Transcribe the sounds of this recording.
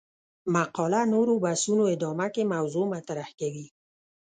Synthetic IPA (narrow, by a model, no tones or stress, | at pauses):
maqɔlanoɾobasunoɪd̪ɔmakemawzomat̪ɾahkawi